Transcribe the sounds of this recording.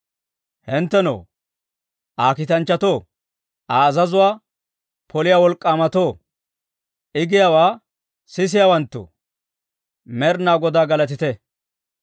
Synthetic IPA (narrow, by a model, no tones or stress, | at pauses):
hɪnt̪ːɛno̰ː | ʔaːkɪt̪ɐnt͡ʃːɐt̪oː | ʔaːzɐzʊwaː | pɔlɪjaːwɔlkʼːaːmɐt̪oː | ʔɪɡɪjawaː | sɪs̬ɪjawɐnt̪ːʊ̰ | mɛɾnaːɡɔd̪aːɡɐlɐt̪ɪt̪ɛ